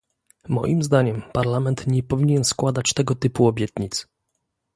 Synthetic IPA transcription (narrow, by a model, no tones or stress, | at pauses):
mɔ̰jimzd̪aɲɛmpaɾlamɛnt̪ɲɛpɔvʲiɲɛnskwad̪at͡ɕt̪ɛɡɔt̪ɘpuɔbʲjɛt̪ɲit̪s